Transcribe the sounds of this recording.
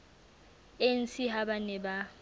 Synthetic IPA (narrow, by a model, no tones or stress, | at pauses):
en̩siɦabanɛba